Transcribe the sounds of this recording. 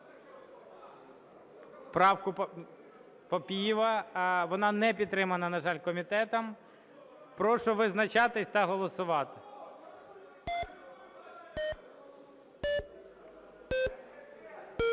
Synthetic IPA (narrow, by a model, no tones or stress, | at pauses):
pɾɑwkʊ | pɔpʲijiʋɐʋɔnɑnɛpʲid̪t̪ːɾɪmɐnɐnɐʒɑlʲkɔmʲit̪ɛt̪ɐm | pɾɔʃʊʋɪznɐt͡ʃɑt̪ɪsʲt̪ɑɦɔlˠɔsʊʋɑt̪ɪ